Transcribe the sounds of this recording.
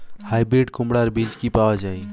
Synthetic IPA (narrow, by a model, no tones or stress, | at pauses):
hajbɾeɖkumɽaɾbid͡ʒkipawad͡ʒaj